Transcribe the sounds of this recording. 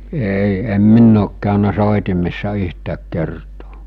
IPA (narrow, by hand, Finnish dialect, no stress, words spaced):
ei em minː oːk kæˑønæ soˑitimesːɑ yhtæːk kertoː